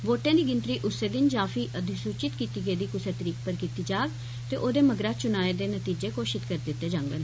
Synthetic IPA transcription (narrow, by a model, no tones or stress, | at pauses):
ʋoːʈẽːd̪iːɡɪnt̪ɾiːʔʊseːd̪ɪnd͡ʒaːfiːʔəd̪ʱɪsuːt͡ʃɪt̪kiːt̪iːɡəiːd̪iːkʊsəɾt̪əɾiːkpəɾkiːt̪iːd͡ʒaːɡ | t̪eːʔoːd̪eːməɡɾaːt͡ʃʊnaːeːd̪eːnət̪iːd͡ʒeːkoːʃɪt̪kəɾd̪ɪt̪ːeːd͡ʒãŋɡəl